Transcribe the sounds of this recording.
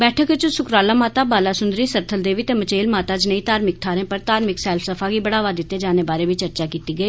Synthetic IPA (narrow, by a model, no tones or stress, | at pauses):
bɛːʈʰəkt͡ʃsʊkɾaːlaːmaːt̪aːbaːlaːsʊ̃nd̪ɾiːsəɾt̪ʰəld̪eːʋiːt̪eːmət͡ʃeːlmaːt̪aːd͡ʒnəĩːt̪aːɾmɪk̚t̪ʰaːɾẽːpəɾt̪aːɾmɪksɛːlpʰsəpʰaːɡiːbəɽaːʋaːd̪ɪt̪ːeːd͡ʒaːneːbaːɾeːʋit͡ʃəɾt͡ʃaːkiːt̪iːɡəiː